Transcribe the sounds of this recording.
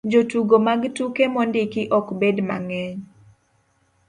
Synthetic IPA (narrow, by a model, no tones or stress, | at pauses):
d͡ʒotuɡomaɡtukemɔndɪkɪʔɔkbedma̰ŋɛɲ